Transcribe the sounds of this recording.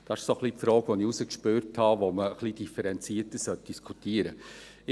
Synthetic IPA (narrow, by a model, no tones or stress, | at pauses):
d̥ɑɪʃsoχlipfɾɔːɡʋoniusəkʃpøɾthɑʋoməχlid̥ifəɾɛnt͡siːətəsœt̚d̥iskʰutiəɾə | ɪ